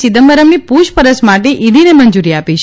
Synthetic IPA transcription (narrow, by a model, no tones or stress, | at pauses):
t͡ʃid̪əmbəɾəmnipuʃpəɾəsmaʈeʔiɽinemənd͡ʒuɾiapiʃ